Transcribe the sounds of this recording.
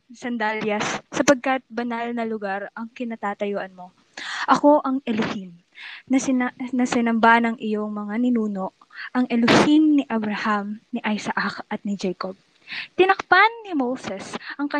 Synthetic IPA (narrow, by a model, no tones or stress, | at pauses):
sɐnd̪aljɐsːɐpɐɡ̚kɐt̪̚bɐnalnɐlʊɡaɾɐŋkɪnat̪aːt̪ɐjoːʔɐnmo̞ | ʔɐko̞ʔɐŋɛlʊhinː | ɐsɪnɐsɪnɐmbanɐŋʔɪjo̞ŋmɐŋanɪnuːno̞ʔ | ʔɐŋʔɛlʊhinːɪʔabɾɐhamniʔɐjsaʔɐkʔɐt̪̚nɪd͡ʒɛjkob̚ | t̪ɪnɐkpanːɪmowsɛsʔɐŋkɐ